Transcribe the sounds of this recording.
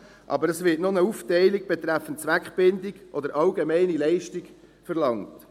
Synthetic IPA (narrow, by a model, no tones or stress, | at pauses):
ʔɑ̰bəɾɛsʋɪtnonəuːftɛɪlɪɡ̚b̥ɛt̪ɾæfən̩tt͡sʋækχb̥ɪndɪɡʔɔd̪əɾʔɑlɡemɛɪnilɛɪʃtɪɡ | fəɾlɑŋt